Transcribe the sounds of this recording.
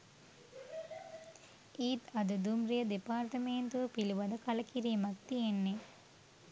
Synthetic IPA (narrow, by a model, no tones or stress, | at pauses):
iːt̪ɐd̪ɐd̪umɾijɐd̪epaːɾt̪ɐmeːnt̪upiluʋɐd̪ɐkɐlɐkiɾiːmɐk̚t̪ienːe